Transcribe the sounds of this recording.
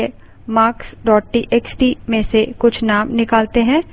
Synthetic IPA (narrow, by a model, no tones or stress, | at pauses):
e | maːksɖɔːʈ̚ʈiʔeːksʈimẽsekʊt͡ʃʰnaːmnɪkaːlt̪eɦɛ̃ː